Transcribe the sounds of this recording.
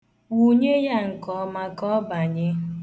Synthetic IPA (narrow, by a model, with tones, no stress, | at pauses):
wu˦ɲe˦ja˦ŋ̩˨kɔ˨˦ma˦kɔ˦ba˨ɲɪ˦